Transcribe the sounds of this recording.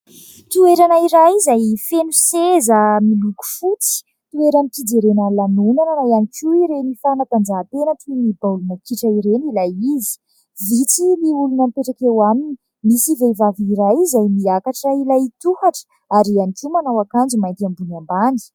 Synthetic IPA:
t̪ueɾanaiɾajizajfenusezəmiluku̥fut͡si̥ | t̪ueɾanipid͡zeɾenəlanunananajanikuiɾenifanat̪and͡ʒaːt̪enəʈ͡ʂumibaulunəkiʈ͡ʂəiɾenilajizi̥ | vit͡siliulunəmpeʈ͡ʂakewamini | misivevaviɾajizajmiakaʈ͡ʂailajit̪uhaʈ͡ʂə̥ | aɾianikumanawakand͡ʒimajnt̪iambunambani̥

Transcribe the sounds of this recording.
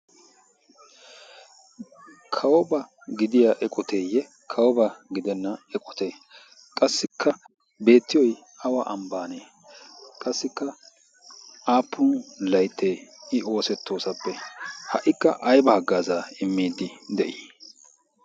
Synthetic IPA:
kʰɐwɔbɐɡɪd̪ɪjaʔɛkʼɔt̪eːjːɛ | kʰɐwɔbɐɡɪd̪ɛnːɐɛkʼɔt̪e̞ː | kʼɐsːɪkʰːɐ | be̞ːt̪ːɪjɔj | ɐwɐʔɐmbaːneː | kʼɐsːɪkːɐ | aːpʰːʊnlɐjt̪ːeːɪo̞ːsɛt̪ːo̞ːsɐpːɛhɐʔɪkːɐ̰ʔɐjbɐhɐɡːaːzaɪmːiːd̪ɪd̪ɛʔiː

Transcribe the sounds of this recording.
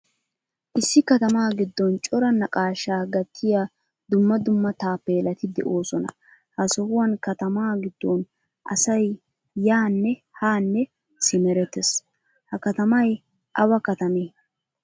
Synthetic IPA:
ʔɪsːɪkɐt̪ɐmaːɡɪd̪ːɔnt͡ʃʼɔɾɐnɐkʼaːʃaːɡɐt̪ʰːɪja | d̪ʊmːɐd̪ʊmːɐt̪aːpːeːlɐt̪ɪd̪ɛ̰ʔo̞ːsɔnɐ̰ | hɐsɔhʊwɐnkɐt̪ɐmaːɡɪd̪ːɔn | ʔɐ̰sɐj | jaːnːɛ | haːnːɛ | sɪmɛɾɛt̪ːɛs | hɐkɐt̪ɐmɐj | ʔɐwɐkɐt̪ɐmeː

